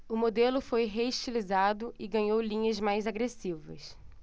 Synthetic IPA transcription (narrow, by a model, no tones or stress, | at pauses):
ʊmod̪elʊfojɦeiʃt͡ʃilizad̪ʊɪɡɐ̃ɲowlĩɲɐzmajzaɡɾesivɐ̰s